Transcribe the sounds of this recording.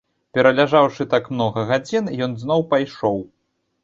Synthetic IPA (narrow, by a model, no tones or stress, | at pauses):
pʲɛɾɐlʲaʐawʂɨt̪akmnɔɣɐɣad͡zʲinjɔnznɔwpajʂɔw